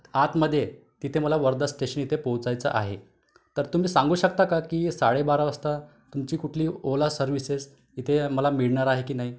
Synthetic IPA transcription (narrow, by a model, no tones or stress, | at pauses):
at̪məd̪ʱːjet̪it̪ʰeməlaʋəɾd̪əsʈeɕənit̪ʰepə̃wt͡sajt͡sə̰ʔaɦe | t̪əɾt̪um̤iːsãŋɡuːɕəkt̪akakiːsaɽebaɾaʋəst̪a | t̪umt͡ɕiːkuʈʰliːolasəɾʋises | it̪ʰeməlamiɭɳaɾaɦekiːnaɦiː